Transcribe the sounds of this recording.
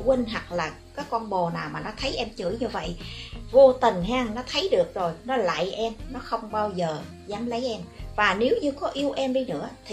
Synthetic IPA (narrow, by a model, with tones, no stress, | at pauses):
wi˧ŋ̟ɦa˨˩k̚laː˨˩kaː˨˦jkɔ˧nɓo˨˩naː˨˩wmaː˨˩nɔ˨˦t̪ʰə˨˦jʔɛ˧mt͡ɕɨ̰˧˩jɲɨ˧və̰˧˨jʔvo˧t̪ï˨˩ŋ̟ɦaː˧ŋnɔ˨˦t̪ʰə˨˦jɗɨ˨˩ək̚zo˨˩jnɔ˨˦la̰ː˧˨jʔɛ˧mnɔ˨˦xə˧wŋ͡mɓaː˧wzəː˨˩ | zaː˨˦mlə˨˦jʔɛ˧mvaː˨˩ne˨˦wɲɨ˧kɔ˨˦ʔi˧əwʔɛ˧mɗi˧nɨ̰˧˥ət̪ʰi˨˩